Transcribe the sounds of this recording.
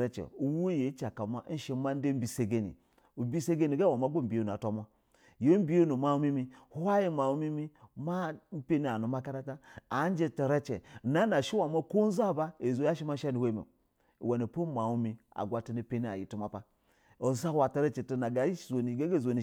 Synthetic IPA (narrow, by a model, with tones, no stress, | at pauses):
ɾe˦t͡ʃḛ˨u˨wu˦e˦je˨˦t͡ʃa˨ka˨ma˦n̩˦ʃi˦ma˦n˦de˦m̩˦bi˦se˨ɡe˦nḭ˨˦ | bi˦se˦ɡe˦ni˨ɡa˦wa˨ma˦ɡo˦m̩˨bi˨jo˦˨nu˨a˨to˨ma˦ | je˨˦m̩˦bi˦jo˦nu˨ma˦u˦mi˦mi˦a˦ji˦ma˨u˦mi˦mi˦ma˦m̩˦pe˦ni˦a˨nu˨ma˦ka˦ɾa˦ta˦a˨˦n˦d͡ʒe˦ta˨ɾe˦t͡ʃḛ˨na˨˦na˨ʃi˦wa˨ma˦ko˦n˦za˦˨ba˦e˨zo˨˦ja˦ʃi˦ma˦ʃa˦ni˨wʷe˦m˨ḛ˨ | we˨ni˨po˦ma˨wu˦mi˨a̰˨ɡʷa˨ti˨ni˨˦pe˦ni˦a̰˨ji˨tu˦ma˨pa˦ | o˨˦za˦wa˨ta˨˦ɾe˦t͡ʃe˨ti˦na˨ɡa˨˦˨zo˨ni˨ɡe˦ɡe˦˨zo˨ni˨